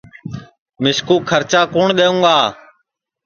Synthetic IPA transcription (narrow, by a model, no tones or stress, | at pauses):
mɪskuːkʰəɾt͡ʃaːkoːɳɗ̪eːũːɡaː